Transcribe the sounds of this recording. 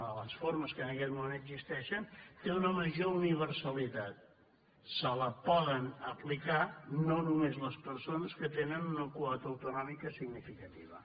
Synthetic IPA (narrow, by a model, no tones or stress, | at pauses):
ələsfoɾməskəːnəkɛt̪mumenəɡzist̪ɛʃənt̪eunəməʒouniβ̞əɾsəlit̪at̪̚ | sələpɔðənəplikanonumezləspəɾsonəskət̪enənunəkuɔt̪əwt̪unɔmikəsiɡnifikət̪iβə̰